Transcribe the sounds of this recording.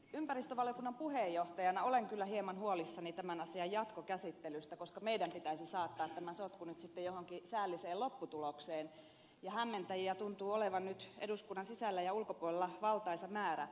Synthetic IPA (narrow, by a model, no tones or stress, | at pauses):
ympærist̪øʋɑljokunːɑmpuhejːoht̪ɑjɑnɑoleŋkylːæhiemɑnhuolisːɑnit̪æmænɑsiɑjjɑt̪kokæsit̪ːelyst̪ækoskɑmeidæmpit̪æisisɑːt̪ːɑːt̪t̪æmæsot̪kunyt̪sit̪ːejohoŋkisæːlːiseːlopːut̪ulokseːn | jɑhæmːent̪æjiæt̪unt̪uːoleʋɑnnyt̪eduskunːɑnsisælːæjɑulkopuolelːɑʋɑlt̪ɑisɑmæːɾæ̰